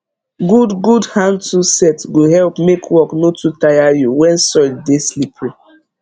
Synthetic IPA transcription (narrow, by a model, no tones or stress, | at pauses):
ɡudɡudhãntusɛtɡoɦɛlpmekʰwɔknotutajajuwɛ̃nsɔdeslipʰju